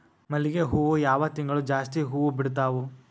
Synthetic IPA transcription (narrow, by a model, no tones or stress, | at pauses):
mɐliɡeɦuːʋujaːʋɐt̪iŋɡɐɭud͡ʒaːst̪iɦuːʋubiɽt̪aːʋu